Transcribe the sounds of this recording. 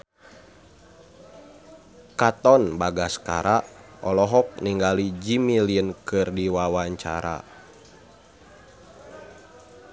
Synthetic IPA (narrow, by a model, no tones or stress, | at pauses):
kat̪ɔnbaɡaska̰ɾaʔɔlɔɦɔk̚niŋɡalid͡ʒimiliənkɨrdiwawaɲt͡ʃa̰ɾa̰